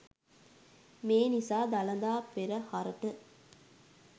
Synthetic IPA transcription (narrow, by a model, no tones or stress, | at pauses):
meːnisaːd̪ɐlɐnd̪aːpeɾɐhɐɾɐʈɨ